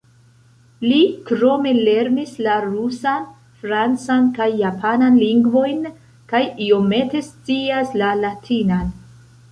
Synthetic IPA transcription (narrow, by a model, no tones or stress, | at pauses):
likɾo̞me̞le̞ɾnislaɾusan | fɾant͡sankajːapʰananliŋɡvo̞jn | kajio̞me̞te̞st͡siaslalatʰinan